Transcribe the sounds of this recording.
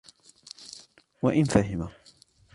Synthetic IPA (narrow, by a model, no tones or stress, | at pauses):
waʔɪnfaɦɪma